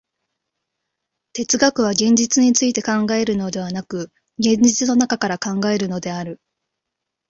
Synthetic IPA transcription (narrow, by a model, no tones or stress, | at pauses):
t̪e̞t͡sɨɡakɯ̟β̞aɡẽ̞ɲ̟d͡ʑit͡sɨɲ̟it͡sɨit̪e̞kãŋɡae̞ɾɯ̟nod̪e̞βanakɯ̟ | ɡẽ̞ɲd͡ʑit͡sɨno̞nakakaɾakãŋɡae̞ɾɯ̟no̞d̪e̞aɾɯ̟